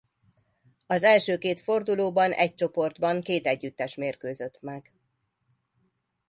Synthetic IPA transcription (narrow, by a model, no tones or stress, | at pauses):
ɒzɛlʃøːkeːt̪fo̞rd̪uloːbɒnʔɛ̰c̚t͡ʃo̞po̞rd̪bɒŋkeːt̪ɛɟːyt̪ːɛʃmeːrkøːzøt̪mɛɡ